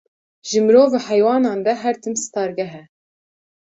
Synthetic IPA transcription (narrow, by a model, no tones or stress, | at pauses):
ʒɨmɨɾoːvɑhɛjwɑːnɑːnd̪ɛɦɛɾt̪ʰɨmsɨ̥t̪ɑːɾɡɛɦɛ